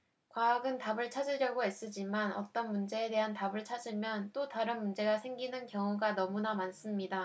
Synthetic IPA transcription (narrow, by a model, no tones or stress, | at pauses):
kwaːɡɯntabɯɭt͡ɕʰad͡ʑiɾjʌɡoe̞s͈ɯd͡ʑimanʌt͈ʌnmund͡ʑe̞eːde̞ɦantabɯɭt͡ɕʰad͡ʑimjʌnt͈otaɾɯnmund͡ʑe̞ɡasʰe̞ŋɡinɯnkjʌŋuɡanʌmunamans͈ɯmɲida